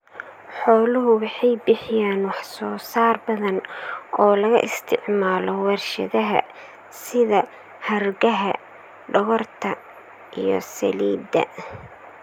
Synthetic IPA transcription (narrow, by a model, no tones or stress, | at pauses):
ħɔːlʊɦʊwɑħɑjbɪħɪjaːnwɑħsɔːsaːrbɐðɐnɔːlɐɣɐ̰ʔɪst̪ʰɪʕmaːlɔwɐrʃɐ̰ðɐɦɐ̰ | sɪðɐ | hɐrɡɐɦɐ | ɖɔɣɔrt̪ʰɐ | ʔijɔ̰sɐ̰liːd̪ɐ̰